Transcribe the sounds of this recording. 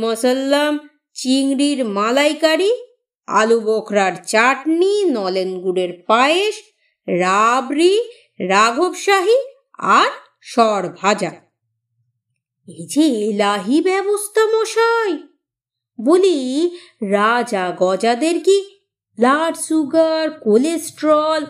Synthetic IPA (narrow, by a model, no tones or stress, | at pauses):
mɔsəlːam | t͡ɕiŋɾiɾmalajkaɾi | a̰lubokʰɾaɾt͡ɕaʈninɔlenɡuɽeɾpaeʃ | ɾabɾi | ɾaɡʱobʃaɦi | a̰ɾ | ʃɔɾbʱad͡ʑa | ed͡ʑeelaɦibɛbost̪ʰamoʃaj | boli | ɾad͡ʑaɡɔd͡ʑad̪eɾki | laɖsuɡaɾkolesʈɾɔl